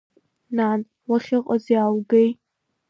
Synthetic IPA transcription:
nan | waχʲɪqʼazjawɡej

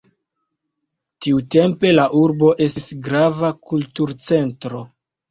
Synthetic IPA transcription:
tiute̞mpe̞laʔuɾbo̞ʔe̞sisɡɾavakultuɾt͡se̞ntɾo̞

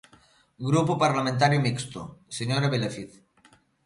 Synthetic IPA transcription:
ɡɾupopaɾlamẽnt̪̬aɾjomikst̪o̰seɲoɾaβelefiθ

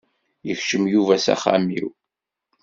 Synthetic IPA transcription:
jəçʃəmjuvæsæ̰χa̰mḭw

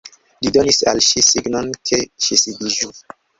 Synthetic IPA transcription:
lidonisa̰lʃisiɡnonkʰeʃisidiʒu

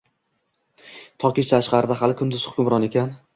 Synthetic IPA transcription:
t̪ʰɒkʲɪʃt̪ʰaʃqɑɾɪd̪aɦalɪkʰʊnd̪ɪz̥hʊ̥kʲʰʊmɾɒnekʲʰan

